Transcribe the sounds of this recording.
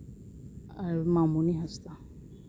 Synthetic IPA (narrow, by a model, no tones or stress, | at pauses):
aɾmamuniɦast̪a